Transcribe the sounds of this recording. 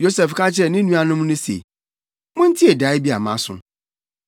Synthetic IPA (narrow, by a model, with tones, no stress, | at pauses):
jo˦sɛ˨fkʰa˦t͡ɕʰɪ˦ɛ˨nɪ̃˦nũ˦a˦nʊ̃˦m˦nʊ̃˦sḛ˨ | mʊ̃˦n̩˦tʰi˦e˨da˨˦ɪ˦bi˦a˨mã̰˦sʊ̰̃˦